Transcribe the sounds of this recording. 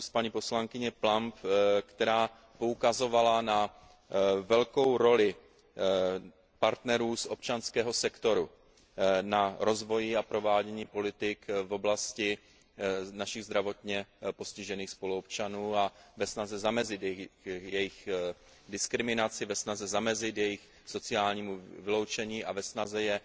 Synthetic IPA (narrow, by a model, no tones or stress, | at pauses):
spaɲiːpo̞slaŋkɪɲɛplampkt̪ɛɾaː | po̞ukazo̞valana | vɛlko̞wɾo̞lɪ | paɾt̪nɛɾuːsʔo̞pt͡ʃanskɛːɦo̞sɛkt̪o̞ɾu | naɾo̞zvo̞jɪapɾo̞vaːɟɛɲiːpo̞lɪt̪ɪkvo̞blascɪ | naʃɪɣzd̪ɾavo̞t̪ɲɛpo̞scɪʒɛniːxspo̞luop̚t͡ʃanuːavɛsnazɛzamɛzɪt̪jɛjɛjɪx | dɪskɾɪmɪnat͡sɪvɛsnazɛzamɛzɪt̪jɛjɪx | so̞t͡sɪaːlɲiːmuvɪlo̞wt͡ʃɛɲiːʔavɛsnazɛjɛ